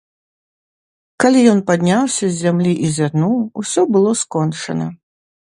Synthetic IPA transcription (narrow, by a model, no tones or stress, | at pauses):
kalʲijɔnpad̪ʲnʲawsʲɐzʲzːʲamlʲiʔizʲarnuwusʲɔbɨlˠɔskɔnt͡ʂɐnɐ